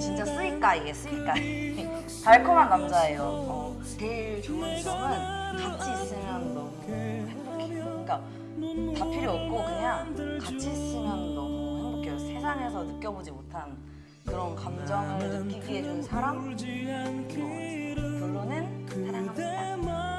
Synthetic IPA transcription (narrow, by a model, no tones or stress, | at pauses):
t͡ɕint͡ɕ͈as͈ɯik͈aiɡe̞s͈ɯik͈a | taɭkʰoŋanɡamd͡ʑae̞jomʌ | teiɭt͡ɕoŋɯnʌŋɯnkat͡ɕʰisis͈ʰɯŋandʌ | ep͈okʰeik͈a | papʰiɾiʌp̚k͈okɯɲaŋŋkat͡ɕʰis͈ɯmjandʌaŋbok͈josʰe̞sʰaŋɦe̞sʰʌnɯk͈jʌbod͡ʑimotʰan | kɯɾʌnkamd͡ʑʌŋɯɾoiɡied͡ʑunsʰaɾamd͡ʑi | puɭːonɯnsʰesʰaŋama